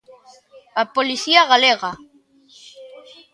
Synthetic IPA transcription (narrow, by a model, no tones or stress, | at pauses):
apoliθiaɣaleɣa